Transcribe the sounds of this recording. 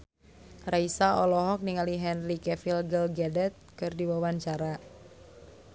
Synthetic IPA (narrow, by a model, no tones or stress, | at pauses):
raisaʔɔlɔɦɔk̚niŋaliɦɛnrikɛfilɡəlɡɛdɛt̪̚kɨrdiwawaɲt͡ʃaɾa